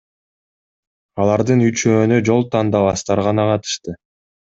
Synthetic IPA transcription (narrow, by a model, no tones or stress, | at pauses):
ɑlˠɑɾd̪ɯnyt͡ʃø̞ːnyd͡ʒo̞lˠt̪ʰɑnd̪ɑβɑst̪ɑɾʁɑnɑqɑt̪ɯ̥ʃt̪ɯ